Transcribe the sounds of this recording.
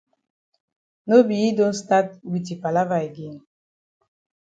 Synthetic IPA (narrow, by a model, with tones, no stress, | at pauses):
no˦bi˨i˦do˦n˦sta˦t̚wi˨ti˨pa˨la˦va˨e˨ɡe˦˨n